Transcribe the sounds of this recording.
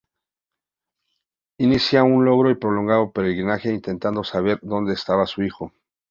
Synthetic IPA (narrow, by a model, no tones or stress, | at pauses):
inisjaunlo̞ɣɾo̞ipɾo̞lo̞ŋɡaðo̞poɾelɣɾinaxe̞int̪e̞nt̪and̪o̞saβ̞e̞ɾðo̞nd̪e̞ːst̪aβasuixo̞